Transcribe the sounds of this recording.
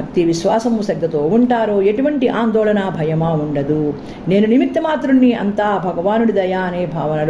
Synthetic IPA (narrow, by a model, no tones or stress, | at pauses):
ɐk̚t̪iʋiʃʋaːsɐmusɐɡ̚d̪ɐt̪oːuɳʈaːɾoːe̞ʈuʋɐɳʈiʔaːnd̪oːlɐnaːbʱɐjɐmaːuɳɖɐd̪u | ne̞ːnunimit̪ːɐmaːt̪ɾunːiɐ̰nt̪aːbʱɐɡɐʋaːnuɽid̪ɐjaːneːbʱaːʋɐnɐl